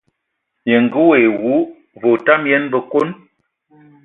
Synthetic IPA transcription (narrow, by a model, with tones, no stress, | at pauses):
je˨ŋ̩˨ɡə˦we˨wu˨˦ | vo˨ta˦mjɛ˦nbə˦˨ko˦n